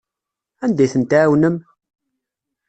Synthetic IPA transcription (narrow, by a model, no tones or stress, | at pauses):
ænd̪æjθənt̪æːwnəm